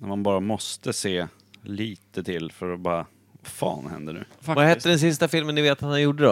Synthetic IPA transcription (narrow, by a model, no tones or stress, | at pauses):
næmanbɑːɾamɔst̪əseː | liːt̪ət̪ʰɪlfœɾɔbɑːɾa | vafɑ̰ːnhɛ̰nd̪ənʉ̟̰ːfvahɛt̪ːəɖɛnsɪst̪afɪlmənːɪveːt̪ʰat̪hanjuːɖəd̪ɛ